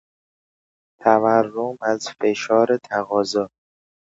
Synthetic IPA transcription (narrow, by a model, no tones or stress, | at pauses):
t̪ʰæværːomæzfeʃɒːɾet̪ʰæɣɒːzɒː